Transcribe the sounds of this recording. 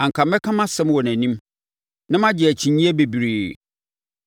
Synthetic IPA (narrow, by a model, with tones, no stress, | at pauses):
ã˨ŋkʰa˨mɛ˦kʰã˦mã˦sɛ̃˦mwɔ˨næ̃˨nĩ˦m | nã˦mã˦d͡ʑɪ˨æ˨t͡ɕʰĩ˨ɲĩ˦æ˦be˨bi˨ɾeː˨